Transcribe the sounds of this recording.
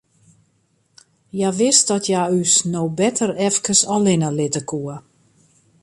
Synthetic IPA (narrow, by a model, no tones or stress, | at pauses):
jaʋɪst̚dɔtʰjaysnowbɛtʰərɛfkəsɔlɪnəlɪtəkʰuə